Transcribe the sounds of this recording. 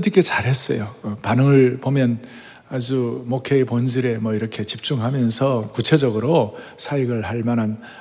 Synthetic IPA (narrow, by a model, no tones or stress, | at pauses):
dik͈et͡ɕaɾɦe̞s͈ʌ̰jopanɯŋɯɭpomjʌn | ad͡ʑumokʰeepond͡ʑiɾe̞mʌiɾʌkʰe̞t͡ɕip̚t͡ɕ͈uŋɦamjʌnsʰʌkut͡ɕʰe̞d͡ʑʌɡɯɾosʰaiɡɯɭɦaɭmanan